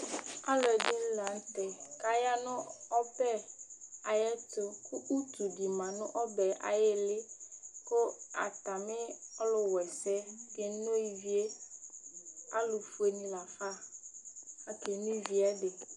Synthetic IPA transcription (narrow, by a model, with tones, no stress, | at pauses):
a˦lɔ˨dɪ˦la˨n˦tɛ˨ka˨ja˦nʊ̃˦ɔ˦pɛ˦a˨jɛ˦t̪ʊ˦kʊ˦ʔu˦t̪u˨di˨mã˨nʊ̃˦ʔɔ˦bɛ˨ʔa̰˨jɪ˦lɪ˦kʊ˦a̰˨t̪a˨mɪ˦ɔ˦lʊ˨wɛ˨sɛ˦ke˨˦no˦ji˨vi˦e˦ | a˦lʊ˨fu˦e˨nĩ˦la˨fa˦ | a˨ke˨nĩ˦vi˨a˦dɪ˨